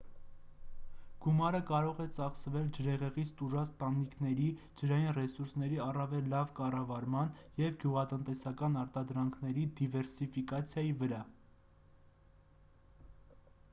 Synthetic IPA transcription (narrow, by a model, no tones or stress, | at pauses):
ɡ̥umɑɾəkɑɾɔʁɛt͡sɑχsəvɛld͡ʒəɾɛʁɛʁit͡sʰt̪uʒɑt͡st̪ɑnikʰnɛɾi | d͡ʒəɾɑjinrɛsuɾsn̪ɛɾiɑrɑvɛlːɑvkɑrɑvɑɾmɑnjɛvɡjuʁɑt̪ənt̪ɛsɑkɑnɑɾt̪ɑd̪ɾɑŋkʰnɛɾid̪ivɛɾsifikɑt͡sʰjɑjivəɾɑ